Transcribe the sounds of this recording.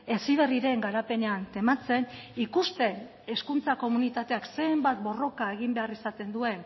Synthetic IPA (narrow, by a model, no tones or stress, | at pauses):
e̞siβ̞e̞riɾe̞ŋɡaɾape̞neant̪e̞mat͡se̞nikust̪e̞n | eskunt͡sako̞munit̪at̪e̞akse̞ːmbat̪̚bo̞ro̞kae̞ɣ̞imbe̞arisat̪e̞nd̪ue̞n